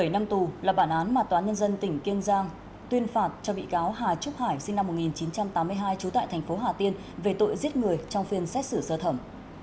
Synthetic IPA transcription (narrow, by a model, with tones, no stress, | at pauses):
ɓə˧˩jna˧mt̪u˨˩laː˨˩ɓaː˧˩nʔaː˨˦nmaː˨˩t̪waː˨˦nɲə˧nzə˧nt̪ï˧˩ŋ̟ki˧ənzaː˧ŋ | t̪wi˧ənfaː˨˩t̚t͡ɕɔ˧ɓḭ˧˨kaː˨˦wɦaː˨˩t͡ɕʊ˦˥p̚haː˧˩jsi˧ŋna˧mːo˨˩t̚ŋi˨˩nt͡ɕi˨˦nt͡ɕa˧mt̪aː˨˦mɨ˧əjɦaː˧jt͡ɕu˨˦t̪a̰ː˧˨jt̪ʰɛ˨˩ŋ̟fo˨˦ɦaː˨˩t̪i˧ən | ve˨˩t̪o̰˧˨jzi˦˥t̚ŋɨ˨˩əjt͡ɕɔ˧wŋ͡mfi˧˩ənsɛ˦˥k̚sɨ˧˩səː˧t̪ʰə˧˩m